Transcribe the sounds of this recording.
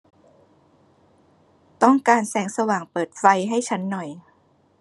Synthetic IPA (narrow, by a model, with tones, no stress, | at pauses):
t̪ɔ˥˩ŋkaː˧nsɛː˩˦ŋsa˧waː˨˩ŋpɤː˨˩t̪̚fa˧jɦa˥˩jt͡ɕʰa˦˥nːɔ˨˩j